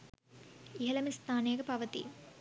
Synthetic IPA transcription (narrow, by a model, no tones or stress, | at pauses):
iɦɐlɐmist̪aːneːɡɐpɐʋɐt̪ḭ